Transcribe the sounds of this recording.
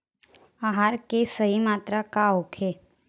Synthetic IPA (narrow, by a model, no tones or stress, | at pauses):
aɦaɾkesəɦimaːt̪ɾakaokʰe